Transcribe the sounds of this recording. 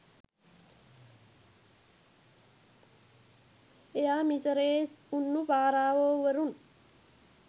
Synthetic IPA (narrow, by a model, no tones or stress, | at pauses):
ejaːmisɐɾeːsunːubaːɾaːʋoːʋɐɾun